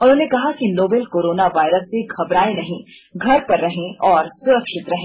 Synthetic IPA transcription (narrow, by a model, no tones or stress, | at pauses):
ʊnɾoʊ̃ːnekɐɦakinoːbelkoːɾoːnaʋaːɪɾəsːeɡʱɐbɾaːenɐɦĩ | ɡʱɐɾpɐɾːɐɦẽɔːɾsʊɾəkʃɪt̪ɾɐɦẽ